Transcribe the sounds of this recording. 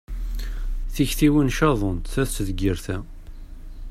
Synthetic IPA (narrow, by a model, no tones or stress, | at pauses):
θiçθiwinʃɑðˤont̪θæθsðəɡəɾθæ